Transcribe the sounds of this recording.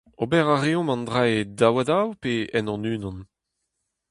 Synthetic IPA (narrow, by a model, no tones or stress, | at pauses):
obɛʁaʁeɔ̃mɑ̃ndʁaedawadawpeɛnɔ̃nyːnɑ̃n